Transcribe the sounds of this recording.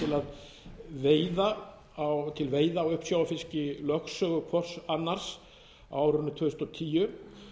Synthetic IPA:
ɪlað | veːjða | awt̪ʰɪlveːjðaːwʏhpsjawafɪscɪlœxsœːɣʏkʰvɔr̥sanːaɾ̥s | awaːwɾʏnːʏt̪ʰvʏst̪ɔt̪ʰiːjʏ

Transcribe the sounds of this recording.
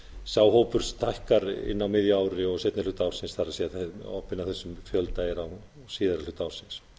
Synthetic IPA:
saːwɦoːwpʏɾ̥st̪ʰajhkaɾɪ̰nːawmɪðjaːwɾɪɔɣset̪nɪlʏt̪aːwsɪnsθaɾasjɛθɛɔ̰hpɪnawθɛsːʏmfjœlt̪aɛɾaw | siːðaɾalʏt̪aːwsɪns

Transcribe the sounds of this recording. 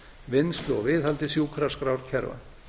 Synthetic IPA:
vɪnst̪lʏɔ̰vɪːðhalt̪ɪsjuːkʰɾaskɾawɾ̥cʰɛɾva̰

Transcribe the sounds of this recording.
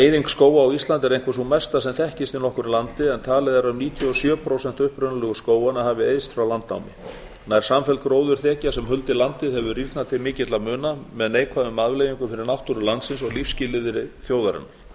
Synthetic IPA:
ejðiŋkskoːwaːwist̪lant̪ɛɾejŋkvɪs̬umɛst̪asɛmθɛhcɪst̪ɪnɔhkʏɾilant̪ɪɛnt̪ʰaːlɛðaɾaʏmniːt̪ʰjʏɔsjœːpʰɾowsɛnt̪ʏhpɾʏnʏlɛɣʏskoːwanahaːvɪejðst̪fɾawlant̪na̰wmɪ̰ | naɛɾ̥samfɛlkɾoːwðʏɾ̥θɛːcasɛmɦʏlt̪ɪlant̪ɪðhɛvʏriɾk̪nat̪ʰɪlmɪːcɪt̪lamʏːnamɛðneːjkʰvaðʏmːaðvlejiŋkʏfɪɾɪɾnawht̪uɾʏlant̪sɪnsɔɣlifscɪlɪðɪɾɪθjoːwðaɾɪ̰na

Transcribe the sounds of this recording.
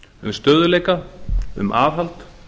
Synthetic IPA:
ʏmst̪œːðʏlɛkaʏ̰mʔaːvɦalt̪

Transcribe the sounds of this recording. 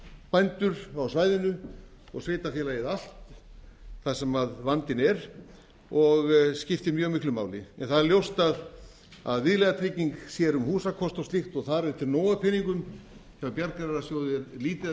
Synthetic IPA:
pajnt̪ʏɾawsvaːjðɪnʏ | ɔ̰ɣsveːjt̪afjɛlajɪðal̥t̪ | θḁsɛmaðvant̪ɪnɛɾ̥ | ɔɣscɪft̪ɪmjœːɣmɪhklʏma̰ːwlɪɛnθaðɛɾljowst̪að | a̰ðvɪðlɛɣðat̪ʰɾɪciŋksjɛɾʏmhuːsakʰɔst̪awsixt̪ɔɣθaɾɛɾt̪ʰɪɾnoːwapʰɪniŋkʏmhɛvapjaɾkaɾɛɾasjoːwðɪɾliːt̪ɪ

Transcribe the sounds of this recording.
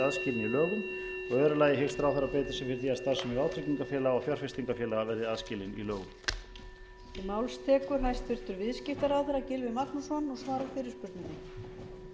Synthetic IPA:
aðscɪːlɪnilœːɣʏm | ɔɣœːɾʏlaːjɪɦɪlst̪ɾawθɛɾːapɛːt̪ɪ̥sɛfɪɾɪθiːast̪aɾ̥sɛmiawt̪ʰɾɪciŋkafjɛːlaɔfjɔɾ̥fɪst̪iŋkafjɛːlaɣavɛɾðɪaðscɪːlɪnḭlœːɣʏm | imawlst̪ʰɛːkʏɾ̥ɦajst̪vɪɾ̥t̪ʏɾvɪðscɪft̪aɾawθɛɾacɪlvɪmak̪nusɔnːɔɣsvaːɾafɪːɾɪɾ̥spʏɾt̪nɪnːɪ

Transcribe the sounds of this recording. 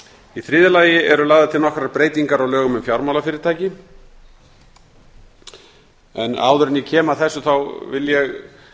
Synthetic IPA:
iθɾɪːðɪlaːjɪɛɾʏlaːɣðat̪ʰɪlnɔhkɾaɾpɾeːjt̪iŋkaɾawlœːɣʏmʏmfjawɾmawlafɪːɾɪɾt̪ʰaːjcɪ | ɛna̰ːwðʏɾɪnicʰɛːmaθɛsːʏθawvɪljɛɣ

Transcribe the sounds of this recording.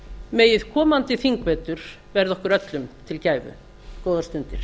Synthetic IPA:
meːjɪðkʰɔːmant̪ɪθiŋkvɛːt̪ʏɾ̥ | vɛɾðɔhkʏɾœt̪lʏmt̪ʰɪlcaːjvʏ̰ | koːwðaɾst̪ʏnt̪ɪɾ̥

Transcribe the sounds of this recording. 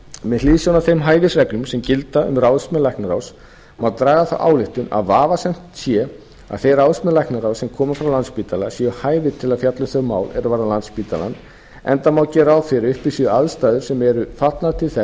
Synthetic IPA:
mɛliːðsjɔwnaθejmɦaːjvɪsrɛknʏmsɛmcɪlt̪aʏ̰mrawðsmɛlajhknaɾaws | mawt̪ɾaːɣaθa̰wʔa̰ːwlɪht̪ʏna̰ðvaːvasɛjm̥t̪sjɛ | a̰ðθejrawðspmɛlajhknaɾawsɛmkʰɔːmafɾawlant̪spiːt̪alasjɛʏhaːjvɪt̪ʰɪlaðfjat̪lʏθœɣma̰ːwlɛ̰ɾʏvaːɾðalant̪spiːt̪a̰la̰n | ɛ̰nt̪amawcɛːɾawfɪɾʏhpisiʏaðst̪aːjðʏɾ̥sɛmɛɾʏfat̪lnat̪ʰɪlθɛ

